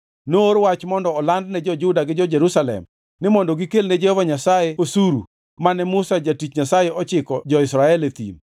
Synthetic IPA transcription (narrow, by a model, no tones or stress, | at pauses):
nooɾwat͡ʃmɔndɔːlandnɛd͡ʒɔd͡ʒʊdaɡɪd͡ʒɔd͡ʒeɾusalɛ̰m | nɪmɔndɔɡikelnɛd͡ʒɛhɔvaɲasajeosuɾṵ | manɛmusad͡ʒatit͡ʃɲasajeɔt͡ʃɪkɔd͡ʒɔɪsɾaɛlet̪ḭn